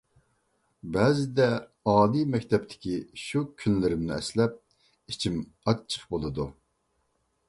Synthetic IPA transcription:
bɛːzɪd̪ɛ | ɑːlimɛkʲt̪ʰɛp̚t̪ʰɪ̥kʲiʃukʲʰynlɪɾɪmnɪɛ̰slɛp̚ | it͡ʃʰim | ɑə̥χbolˠɨd̪u

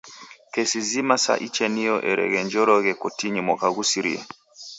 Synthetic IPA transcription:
kɛsizimasa̰ʔit͡ʃɛnijɔʔɛɾɛ̰ɣɛɲd͡ʒɔɾɔɣɛkɔtiɲimɔkaɣusiɾḭɛ̰

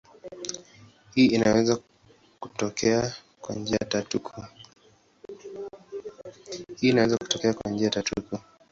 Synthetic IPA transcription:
hiːinawɛza | kutɔkʰɛa | kwa̰nd͡ʒiatatukʰu | hiːnawɛzaku̥tɔkɛakwa̰nd͡ʒiatatuku

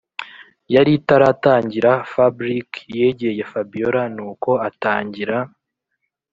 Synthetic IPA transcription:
jaɾitaɾataːɲɟiɾafabɾikje̞ɟeje̞fabijoɾanuːko̞ataːɲɟiɾa

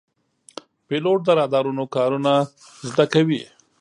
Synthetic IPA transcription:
peloʈ̚d̪əɾɑd̪ɑɾunokɑɾuna | zd̪akawḭ

